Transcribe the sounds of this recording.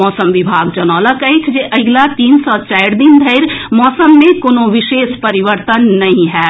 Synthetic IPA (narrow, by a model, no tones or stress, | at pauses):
ɔːsəmʋɪbʱaːɡd͡ʒɐnɔːləkɐɦk̪ʰd͡ʒeʔɐɡlat̪iːnsɔt͡ʃaːɪɾd̪ind̪ʱəɪɾmɔːsəmːẽkoːnõʋɪʃeːspɐɾɪʋəɾt̪ənːɐɦĩɦɛː